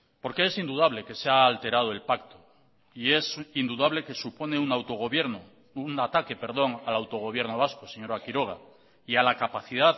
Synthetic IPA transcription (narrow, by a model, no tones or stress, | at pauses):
po̞ɾke̞esind̪uðaβle̞ke̞seaːlt̪e̞ɾað̞oe̞lpakt̪o | ie̞sind̪uðaβle̞ke̞supo̞neunawt̪oɣoβjeɾno | uŋat̪ake̞pe̞ɾðo̞ŋalawt̪o̞ɣ̞o̞β̞je̞ɾnoβ̞askoseɲo̞ɾakiɾo̞ɣ̞a | ialakapaθiðað